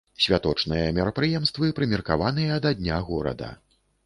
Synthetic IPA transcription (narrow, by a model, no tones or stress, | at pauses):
sʲvʲat̪ɔt͡ʂnɨjɐmʲɛɾɐpɾɨjɛmst̪vɨpɾɨmʲɛrkavan̪ɨjɐːd̪ad̪ʲnʲaɣɔɾɐ̰d̪ɐ̰